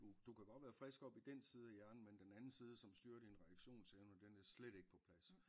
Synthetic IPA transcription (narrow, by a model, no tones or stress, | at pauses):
d̥ud̥ukʰæb̥ɑ̈ʋæːɐfʁɛsɡ̥ɒ̽b̥id̥en̰sʰið̞ˠæjæɐnn̩mend̥enænn̩siːð̞ˠəsɒ̽msd̥yːɐd̥inʁɛɡ̥ɕo̝̰ːnseʊnəd̥enæɐsleɾ̥e̝ɡ̥ə̥pʰɒ̽pʰlæs